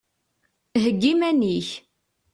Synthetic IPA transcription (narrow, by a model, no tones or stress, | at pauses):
ɦəɡːimæniç